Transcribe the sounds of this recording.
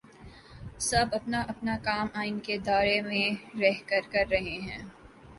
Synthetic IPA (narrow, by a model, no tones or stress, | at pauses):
sɐbɐpnaʔɐpnakaːmaːɪnked̪aːɾemẽɾɛɦkɐɾkɐɾːɐɦeɦɛ̰̃ː